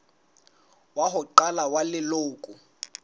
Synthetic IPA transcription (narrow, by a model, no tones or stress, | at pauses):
waɦʊǃalawalɪloːkʼʊ